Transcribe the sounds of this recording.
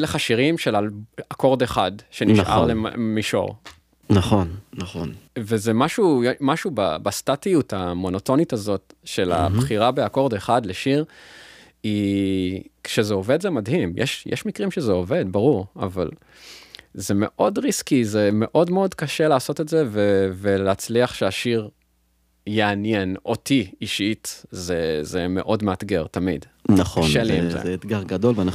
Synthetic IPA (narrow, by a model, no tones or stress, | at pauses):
leχaʃiʁimʃelalako̞ʁdeχadʃeniʃʔa̰ʁlemiʃo̰ʁ | naχonnaχo̰nvezemaʃujmaʃuba̰bastatijutamo̞no̞to̞nitazo̞tʃe̞la̰bχiʁabeako̞ʁdeχadleʃiʁ | i | kʃezeo̞ve̞dzemadhimjʔɛ̰ʃjɛ̰ʃmikʁimʃezeo̞ve̞dbaʁuʁa̰val | zeme̞̰ʔo̞dʁiskizeme̞ʔo̞dmeo̞dkaʃeleaso̞tetzeveveleat͡sliaχʃeaʃiʁ | jeanjenʔo̞tiiʃitzezeme̞̰ʔo̞dmeatɡe̞ʁtamḭd | naχkoaʃeliḭmzḛeet̪ɡaʁɡado̞lvana